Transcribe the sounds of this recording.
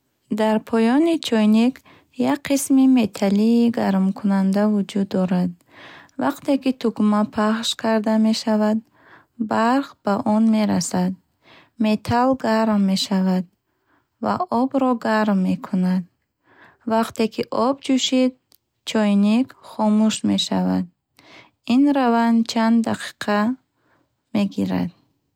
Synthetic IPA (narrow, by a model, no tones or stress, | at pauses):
d̪aɾpʰɔjɔnit͡ʃʰɔjnik | jakqʰismime̞t̪ʰaliːɡaɾmkʰunand̪avud͡ʒud̪ːɔɾad̪ | vaqt̪e̞kit̪ʰukmapʰaχʃkʰaɾd̪ame̞ʃavad̪ | baɾχb̥aʔɔnme̞ɾasad̪̚ | me̞t̪ʰalɡaɾmːe̞ʃavad̪̚ | va̰ʔɔbɾɔɡaɾmːe̞kʰunad̪̚ | vaqt̪e̞kʰiʔɔbd͡ʒuʃid̪̚ | t͡ʃʰɔjnikχɔmuʃme̞ʃavad̪ | inɾavant͡ʃʰand̪ːaqʰi̥qʰa | me̞ɡiɾa̰d̪̚